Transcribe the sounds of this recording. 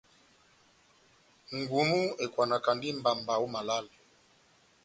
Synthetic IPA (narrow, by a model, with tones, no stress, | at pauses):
ŋɡu˨mu˦e˨kwa˨na˨ka˨ndi˦m˦ba˨mba˨u˦ma˨la˦l